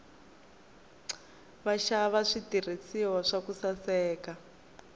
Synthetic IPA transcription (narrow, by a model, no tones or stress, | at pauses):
βaʃaβaʂitir̤isiwaʂakusasɛːka